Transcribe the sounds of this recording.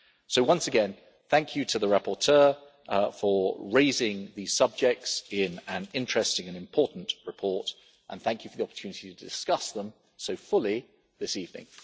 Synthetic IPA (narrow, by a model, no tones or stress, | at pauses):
soʊwʌ̃nsəɨɡɛ̃n | θæ̃ŋkʰjɨtʰəðəɹæpə˞tʰɜ˞ | fəɹeɪzɪ̃ŋðiz̥sʌb̚d͡ʒɛk̚tsɪ̃nɨ̃nɪ̃nt͡ʃɹ̥ɛstɪ̃ŋɨ̃nɨ̃mpʰɔɹʔn̩ʔɹɨpʰɔɹt | ʔə̰̃nθæ̃ŋkʰjɨfəðiɑpə̥tʰʉnɪtitʰədɪskʌsðə̃m | soʊfʊlˠi | ðɪsivnɪ̰̃ŋ